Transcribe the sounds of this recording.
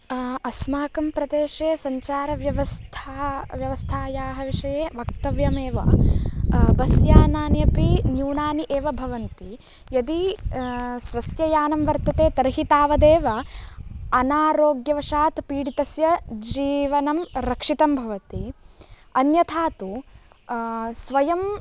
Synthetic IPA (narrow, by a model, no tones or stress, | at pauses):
ɐsmaːkɐmpɾɐd̪eːʃeːsɐɲt͡ʃaːɾɐʋjɐʋɐst̪ʰaʋjɐʋɐst̪ʰaːjaːɦɐʋiʂɐjeːʋɐk̚t̪ɐʋjɐmeːʋɐ̰ | bɐsjaːnaːnjɐpinjuːnaːniʔeːʋɐbʱɐʋɐnt̪i | jɐd̪i | sʋɐsjɐjaːnɐmʋɐɾt̪ɐt̪eːt̪ɐɾɦit̪aːʋɐd̪eːʋɐ | ɐnaːɾoːɡjɐʋɐʃaːt̪piːɽit̪ɐsjɐd͡ʒiːʋɐnɐmɾɐkʂit̪ɐmbʱɐʋɐt̪i | ɐnjɐt̪ʰaːt̪u | sʋɐjɐm